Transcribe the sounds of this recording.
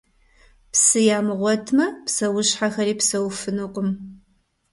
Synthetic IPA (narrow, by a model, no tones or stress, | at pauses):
psɨjaːmɨʁʷɔtʰmɐpsɐwʊɕħaxɐɾiːpsɐwfɨnɨqʷʊm